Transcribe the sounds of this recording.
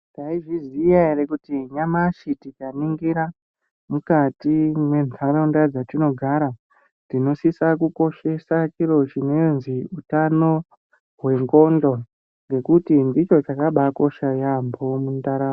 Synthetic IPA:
ndaiʐizijaeɾe̞kutiɲamaʃitikaniŋɡiɾa | mukatimwe̞nʱaɾondad͡zatino̞ɡʱaɾa | tino̞sisakuko̞ʃe̞sat͡ʃiro̞t͡ʃine̞nziutano̞ | ɦwe̞ŋɡo̞ndo | ŋɡe̞kutindit͡ʃo̞t͡ʃakaɓako̞ʃajambo̞mundaɾaː

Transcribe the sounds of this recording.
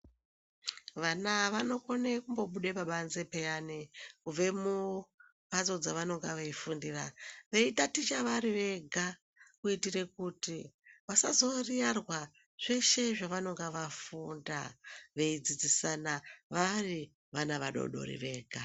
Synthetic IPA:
ʋanaʋano̞ko̞nekumbo̞ɓuɗepaɓanzepejanikub͡ve̞mu | ɓazo̞d͡zaʋano̞ŋɡaʋaifundiraʋe̞itatit͡ʃaʋaɾiʋe̞ɡʱa | kuitire̞kutiʋasazo̞rijarwa | ʐ̥e̞ʃe̞ʐaʋano̞ŋɡeʋafunda̰ʋe̞id͡zid͡zisanaʋari | ʋanaʋaɗo̰ɗo̰ɾḭʋe̞ːɡʱa

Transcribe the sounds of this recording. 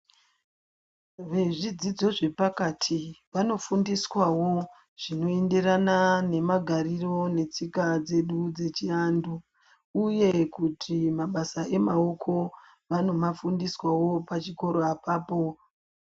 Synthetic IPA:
ʋe̞ʐid͡zid͡zo̞ʐe̞pakatʰiʋano̞fundiswawo̞ | ʐ̥ino̞e̞nde̞ranane̞maɡʱaɾiro̞ne̞t͡sikad͡ze̞ɗud͡ze̞t͡ʃiaːndu | uje̞kutʰimaɓasaʔe̞mao̞kʰo̞ | ʋano̞mafundiswawo̞pat͡ʃiko̞ɾo̞apaːpo̞

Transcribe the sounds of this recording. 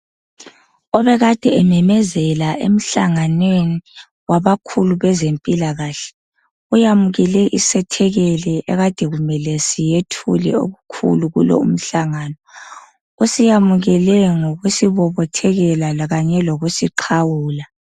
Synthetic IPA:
ɔβɛɣad̥ʱɛɛmɛmɛzɛlaʔḛm̩ɬaŋanweni | waβakʰuluβɛzempʼilaɣaːɬɛ̥ | ujamuɣɛlɛʔisɛtʰɛɣɛlɛʔɛ̰ɣad̥ʱɛɣumɛlesijetʰṵlɛ̰o̰ɣukʰṵluɣṵlɔ̰ṵm̩ɬaŋanɔ | usijamuɣɛlɛŋoɣusiβɔβɔtʰɛɣɛlalaɣaɲɛloɣusiǃʰawuːla

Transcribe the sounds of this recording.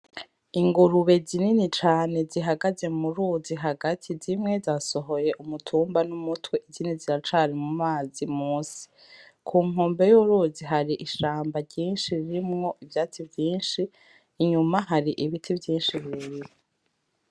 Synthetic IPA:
iŋɡuɾuβe̞zininit͡ʃaːne̞ziɦaɡaze̞muɾuziɦaɡatʰizimŋe̞zaso̞ɦo̞je̞ʔumutʰuːmbanumutwe̞ʔiziniziɾat͡ʃaːɾimumaːzimuːsi̥ | kʰuːŋuːmbe̞juɾuːziɦaɾiʔiʃaːmbaɾɟiːnʃiɾiɾimŋo̞ʔivjaːt͡sivjiːnʃiː | ɲumaɦaɾiʔiβitʰivjiːnʃiβiɾiɾe

